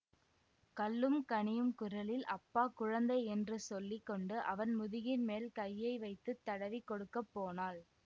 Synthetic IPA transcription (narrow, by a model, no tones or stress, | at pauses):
kɐlːɯmkɐɳɪjɯmkʊɾɐlɪlʔɐpːaːkʊɻɐnd̪ɐɪɛndrɯsɔlːɪkːɔɳɖɯʔɐʋɐnmʊðɪɣɪnmeːlkɐjːɐɪʋɐɪt̪ːɯt̪ːɐɽɐʋikːɔɽɯkːɐpːoːnaːl